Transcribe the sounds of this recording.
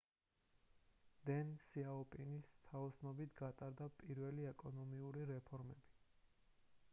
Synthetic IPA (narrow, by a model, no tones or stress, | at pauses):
d̪ɛnsiaɔpʼinist̪ʰaɔsnɔbit̪ʰɡat̪ʼaɾd̪apʼiɾvɛliɛkʼɔnɔmiuɾiɾɛpʰɔɾmɛbi